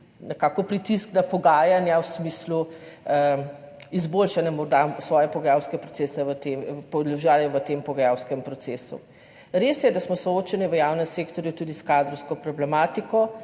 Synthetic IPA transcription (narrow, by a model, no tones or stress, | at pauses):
nɛkaːkɔpɾit̪iskd̪apɔɡaːjanjawsmiːslu | izboːlʃanjɛmɔɾd̪asʋɔːjɛpɔɡɐjawskɛpɾɔtseːsɛʋət̪empɔdlɔʒaːlɛʋət̪empɔɡɐjawskɛmpɾɔt̪seːsṵ | ɾeːsjɛd̪asmɔsɔoːt͡ʃɛniʋəjawnɛmseːkt̪ɔɾjut̪ud̪iskad̪ɾɔwskɔpɾɔblɛmaːt̪ikɔ